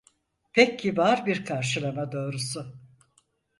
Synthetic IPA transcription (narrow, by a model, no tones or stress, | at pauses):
pʰɛcːibaːɾbiɾkʰaɾʃɯlˠamad̪o̞ːɾusʊ